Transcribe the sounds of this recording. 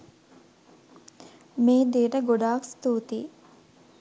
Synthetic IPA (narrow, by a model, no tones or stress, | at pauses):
meːd̪iːɾəɡoɖaːkst̪uːt̪ḭː